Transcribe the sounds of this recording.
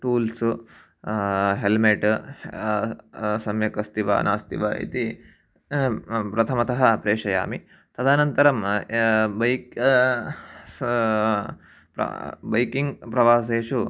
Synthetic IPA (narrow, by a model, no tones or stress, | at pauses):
ʈuːls | ɦelmeʈ | sɐmjɐkɐst̪iʋa̰ːna̰ːst̪ḭʋɐʔḭt̪i | pɾɐt̪ʰɐmɐt̪ɐɦɐpɾeːʂɐja̰ːmi | t̪ɐd̪aːnɐnt̪ɐɾɐm | bɐjk | pɾɐ̰bɐjkiŋɡpɾɐʋaːs̬eːʂu